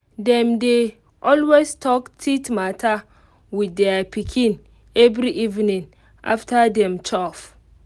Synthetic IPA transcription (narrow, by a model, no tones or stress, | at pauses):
dɛ̃mde | ʔɔlwestʰɔktʰitmatʰa | widdɛapʰikʰĩn | ɛvɾiʔivnĩŋ | ʔa̰ftʰadɛ̃mt͡ʃʰɔf